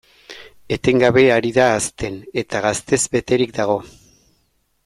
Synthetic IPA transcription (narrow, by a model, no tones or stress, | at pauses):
e̞t̪e̞ŋɡaβe̞aɾiðaːst̪e̞ne̞t̪aɣast̪e̞zbe̞t̪e̞ɾik̚d̪aɣ̞o̞